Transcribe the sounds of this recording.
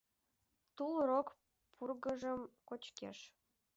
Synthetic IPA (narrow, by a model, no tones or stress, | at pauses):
t̪ulrok | pʰurɣəʒəmkot͡ɕkḛʃ